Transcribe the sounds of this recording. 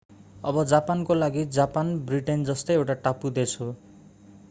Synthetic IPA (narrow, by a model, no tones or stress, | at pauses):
ʌbʌd͡zapankolaɡid͡zapanbriʈend͡zʌst̪ʌjewʈaʈapud̪et͡sʰu